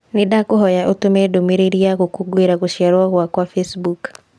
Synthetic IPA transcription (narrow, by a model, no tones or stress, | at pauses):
nedakoɦɔjaʔotomedomeɾeɾiaɣokoɡweɾaɣoʃjaɾwaɣwakwafesbuk